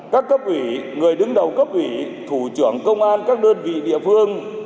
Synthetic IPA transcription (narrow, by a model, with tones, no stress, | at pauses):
kaː˦˥kːə˦˥p̚ʔwi˧˩ŋɨ˨˩əjɗɨ˨˦ŋɗə˨˩wkə˦˥p̚ʔwi˧˩˦ | t̪ʰu˧˩t͡ɕɨ˧˩əŋkə˧wŋ͡mʔaː˧nkaː˦˥k̚ɗəː˧nvḭ˧˨ɗḭ˧˨əfɨ˧əŋ